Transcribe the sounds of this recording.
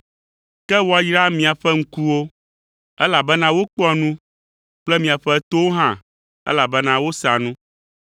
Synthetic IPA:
kɛ˦wɔ˨a˨jɾa˦mĩ˨a˨ɸɛ˦ŋ̩˦ku˦wo˦ | ɛ˦la˨bɛ˦nã˦wo˦k͡pɔ˦nũ˦ | k͡plɛ˦mĩ˨a˨ɸɛ˦t̪o˦wo˦ɦã̰˦˨ | ɛ̰˦la˨bɛ˦nã˦wo˦sa˨nũ˦

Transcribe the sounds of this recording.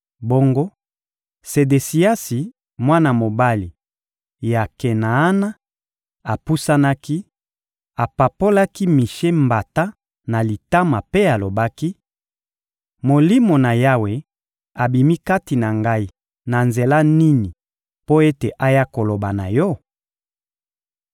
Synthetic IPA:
bo˦ŋɡo˦ | se˨de˨si˨a˦si˨ | mwa˦na˨mo˨ba˦li˨ | ja˨ke˨naː˨˦na˦ | a˨pu˦sa˦na˦ki˦ | a˨pa˨po˦la˦ki˦mi˨ʃe˦mba˨ta˦ | na˨li˨ta˦ma˨pe˦a˨lo˨ba˦ki˦ | mo˨li˦mo˨na˨ja˦we˨ | a˨bi˨mi˦ka˦ti˨na˨ŋɡa˦i˦˨ | na˨nze˨la˦ni˦ni˨ | po˦e˦te˨ʔa˦ja˦ko˨lo˨ba˨na˨jɔ˦

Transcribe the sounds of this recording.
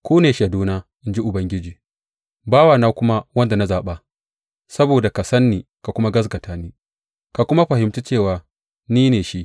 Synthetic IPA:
kʷuː˦neː˨ʃa˨duː˦naː˦ʔɪ˦nd͡ʒi˦ʔʊ˨bɐ˦ŋɡʲɪ˦d͡ʒiː˨ | baː˦waː˨naː˦kʷʊ˦ma˦wɐ˦nda˨na˦zaː˨ɓa˦ | sɐ˦boː˨da˨ka˨sɐ˦nːiː˨ | ka˨kʷʊ˦ma˦ɡɐ˦s̬ɡɐ˨tʰaː˦niː˦ | ka˨kʷʊ˦ma˦ɸɐ˨hɪ˨mtu˦t͡ʃeː˦˨waː˨ | niː˦neː˨ʃi˦ʔ

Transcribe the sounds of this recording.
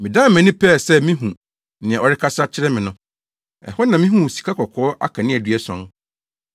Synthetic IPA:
mɪ̃˨dã˦m˦mɛ̃˨nɪ̃˦pʰɛ˦˨sɛ˦mĩ˦ɦũ˨ | nɪ̃˨ɛ̃˨ɔ˨ɾɪ˦kʰa˦sa˦t͡ɕʰɪ˦ɾɛ˦mɪ̃˨nʊ̃˦ | ɛ̰˨hɔ˦nã˨mĩ˦ɦũ˦˨si̥˨kʰa˦kʰɔ˨kʰɔː˦ʔa̰˦kʰã˨nɪ̃˦˨ɛ˨dɥɛ˦sɔ̰̃˦n

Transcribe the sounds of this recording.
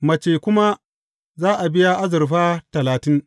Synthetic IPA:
mɐ˨t͡ʃeː˨kʷʊ˦ma˦ | zaː˦ʔa˨bɪ˦ja˦ʔa˦zɐ˨rɸaː˦tɐ˨laː˨tɪ˦ŋ

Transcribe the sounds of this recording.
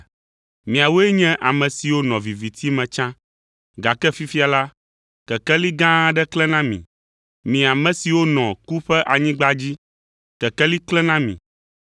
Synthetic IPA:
mĩ˨a˨wo˦ɛ˦ɲɛ̃˦ʔa˨mɛ̃˨si˨wo˦nɔ̃˨vi˨vi˨t̪ʰi˦mɛ̃˨t͡ʃã˦ | ɡa˨kɛ˦fi˦fi˦a˨la˦ | kɛ˨kɛ˦li˦ɡã˦ɖɛ˦klɛ˦nã˦mĩ˨ | mĩ˨a˨mɛ̃˨si˨wo˦nɔ̃˨ku˦ɸɛ˦ʔa˨ɲĩ˦ɡ͡ba˦d͡ʑi˦ | kɛ˨kɛ˦li˦klɛ˦nã˦mḭ̃˨

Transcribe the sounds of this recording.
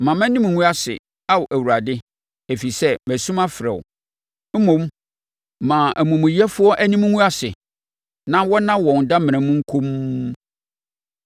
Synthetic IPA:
mã˨mɛ̃˦nĩ˦m˨ŋũ˦a˦sɪ̰˨ | a˦wʔæ˨wu˨ɾa˨dɪ˦ | e˨fi˨sɛ˦mæ˨sũ˦mã˦fɪ˨ɾɛ̰˨w̰ | m̩˦mõ˨m | mã˨ʔæ˨mũ˨mũ˨jɛ˦fʊ˦ɔ˦ʔæ˦nĩ˦m˦ŋũ˦a˦sɪ˨ | nã˦wɔ˦nã˦wɔ̃˨n˨da˦mɪ̃˨nɛ̃˨mũ˦ŋ̩˦kʰo˦m

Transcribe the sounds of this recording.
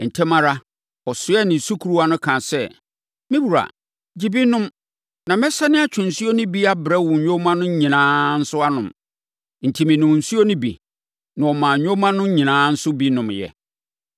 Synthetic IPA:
n̩˨tʰɛ˦mã˦ɾa˦ | ɔ˨sʊ˨˦ɛ˦nɪ̃˨su˦kʰu˨ɾu˦a˦nʊ̃˦kʰã˨sɛ˦˨ | mɪ̃˦bu˨ɾa̰˨ | d͡ʑi˨bi˦nʊ̃˦m | nã˨mɛ̃˦sa˦nɪ̃˦a˦t͡ɕʰᶣʊ̃˨n̩˨su˦o˦nʊ̃˦bi˦a˦bɾɛ˦wʊ̃˨ɲᶣõ˦mã˦nʊ̃˦ɲĩ˨nãː˦n̩˦sʊ˦a˦nʊ̰̃˨m | n̩˨tʰi˨mɪ̃˨nʊ̃˨m˨n̩˨su˦o˦nʊ̃˦bḭ˨ | nã˨ɔ˨mã˨ɲᶣõ˦mã˦nʊ̃˦ɲĩ˨nãː˦n̩˦sʊ˦bi˦nʊ̃˨mjɛ̰˨

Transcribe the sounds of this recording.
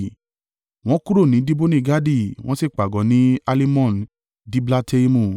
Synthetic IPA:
w̃ɔ̃˦kũ˦ɾo˦˨nĩ˨˦di˦bo˦nĩ˦˨ɡa˦di˦˨w̃ɔ̃˦si˦˨k͡pa˨ɡɔ̃˨˦nĩ˨˦a˦li˦mɔ̃˦˨n | di˦bla˦te˦i˦mũ˧˨

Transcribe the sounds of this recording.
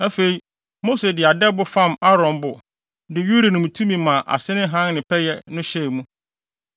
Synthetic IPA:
æ˦fe˨i˨ | mo˦se˨dɪ˨a˨dɛ˦bʊ˦fã˦ma˦ɾɔ̃˨mbʊ˨ | dɪ˨ju˦ɾa˨nʊ̃˨mũ˨tʰũ˦mĩ˨mã˨ʔa̰˨sɪ˦nɪ̃˦ɦã˦nnɪ̃˨pʰɛ˦jɛ˦nʊ̃˦ɕɛ˦˨mũ˦

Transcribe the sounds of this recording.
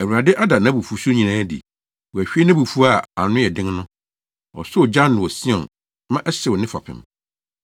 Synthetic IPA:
æ˨wu˨ɾa˨dɪ˦ʔa˦da˨nã˦bu˨fu˦su˦ɲĩ˨nãː˦dḭ˨ | wɔ˨æ˨ɕᶣi˦e˦nã˦bu˨fu˦a˦˨a˨nʊ̃˦jɛ˨dɪ̃˦ŋnʊ̃˦ | ɔ̰˨sʊ˦ɔ˨d͡ʑã˦nnʊ̃˨wɔ˨si˦ɔ̰̃˨n | mã˦ʔɛ˦sɪ˨ɔ˨nɪ̃˦fa̰˨pʰɪ̰̃˨m

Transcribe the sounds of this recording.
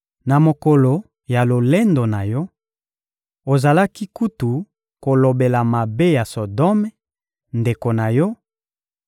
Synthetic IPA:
na˨mo˨ko˨lo˨ | ja˨lo˨le˦ndo˨na˨jɔ˦ | o˨za˨la˦ki˦ku˦tu˨ | ko˨lo˨be˨la˨ma˨be˦ja˨so˨dɔ˦m˦ | nde˨ko˨na˨jɔ˦

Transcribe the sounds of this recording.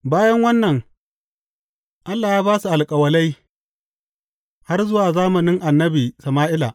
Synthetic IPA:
baː˦jɐ˦ŋwɐ˦nːɐ˨ŋ | ʔa˦lːaː˨jaː˦baː˦su˨ʔa˨lkʼɐ˨wɐ˦la˦j | ha˦rzʊ˦waː˨zaː˦mɐ˨nɪ˦ŋʔa˨nːɐ˦biː˨sɐ˨maː˦ʔɪ˦la̰˨ʔ

